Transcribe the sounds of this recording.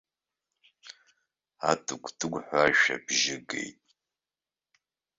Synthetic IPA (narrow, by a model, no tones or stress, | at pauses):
atʰɨkʷʰdʰɨɡʷħʷaʒa̰bʒɪɡḛjtʼ